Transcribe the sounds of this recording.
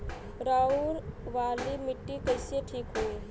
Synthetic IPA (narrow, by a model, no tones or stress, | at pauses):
ɾaːuɾʋaːlimɪʈːikəɪseʈʰiːkɦue